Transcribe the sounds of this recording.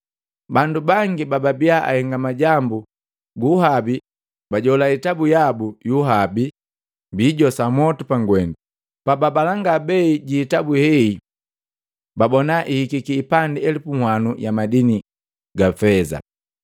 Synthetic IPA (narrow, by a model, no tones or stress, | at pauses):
bandubaŋɡibababiaʔa̰hɛŋɡamaɟambu | ɡuhabi | baɟɔlaitabujabujuɦabi | mbiɟɔsamɔtupaŋɡwɛndu | pababalaŋɡabɛiɟiːtabuhɛi | babɔnaʔihikikiːpandiɛlipuŋhwanujamadini | ɡafɛza̰